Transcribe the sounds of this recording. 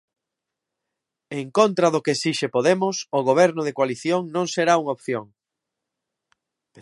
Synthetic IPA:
eŋkont̪ɾaðʊkeːsiʃepoðemʊsoɣoβ̞ɛɾnʊðekwaliθjoŋnõŋseɾauŋaopθjoŋ

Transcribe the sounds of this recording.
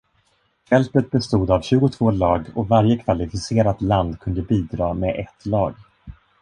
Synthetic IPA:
fɛlp̪ət̪̚bɛst̪uːd̪avɕʉ̟ːɡʊt̪ʰv̥oːlɑːɡɔvaɾjəkʰvalɪfɪseːɾat̪land̪kʰɵnd̪əbiːd̪ɾɑːmeʔɛt̪lɑːɡ

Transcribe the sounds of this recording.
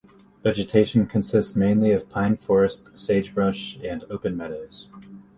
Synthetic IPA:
vɛd͡ʒɨtʰeɪʃn̩kʰɨ̃nsɪstsmẽɪ̃nliʌv̥pʰãɪ̃nfɔɹɨstseɪd͡ʒbɹʌʃɨ̃noʊpɨ̃nmɛɾoʊz̥

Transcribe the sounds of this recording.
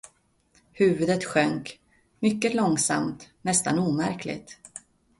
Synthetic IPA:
hʉ̟ːvɵd̪ət̪ɧœŋk | mʏkːəlɔŋsa̰mt̪nɛst̪a̰nuːmæɾkʰlɪ̰t̪

